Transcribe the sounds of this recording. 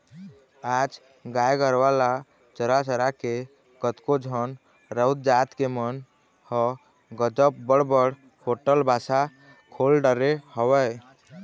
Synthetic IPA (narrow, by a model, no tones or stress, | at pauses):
ad͡ʒ | ɡajɡəɾʋala | t͡ʃəɾat͡ʃəɾake | kət̪kod͡ʒʱən | ɾəwd̪̚d͡ʒat̪kemən | hɔ | ɡəd͡ʒəpbəɽbəɽ | hoʈəlbʱasa | kʰolɖəɾehəwəj